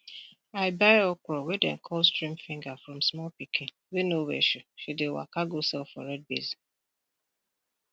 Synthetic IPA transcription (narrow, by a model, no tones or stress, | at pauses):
aɪbaɪɔkʷɾɔwedɛ̰n̩kʰɔlstɾĩmfɪ̃ŋɡafɾɔ̃msmɔlpikĩn | wenowḛʃuʃidewa̰kaɡosɛlfɔ̰ɾɛd̚bḛzi